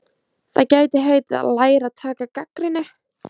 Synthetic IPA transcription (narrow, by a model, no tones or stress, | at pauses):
θa̰ðcaːɥt̪ɪɦeɥt̪ɪða̰ðlaːjɾat̪ʰaːkakakɾɪnɪ